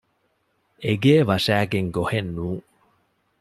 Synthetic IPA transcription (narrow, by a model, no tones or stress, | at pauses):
eɡeːʋɐʂæːɡeŋɡohenːuː